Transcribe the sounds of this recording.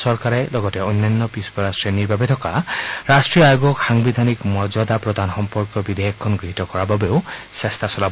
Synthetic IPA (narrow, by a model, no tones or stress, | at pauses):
sɔɹkaɾelɔɡɔteɔjnːanːɔpispɔɾasɹeniɹbabet̪ʰɔkaɾastɹijɔajoɡɔkʰaŋbid̪ʱanikmɔd͡ʒwad̪apɹɔd̪ʱanɔxɔmpɔɾkɔbid̪ʱejɔkʰːɔnɡɹiɦitɔkɔɹababeʊsest̪ʰasɔlab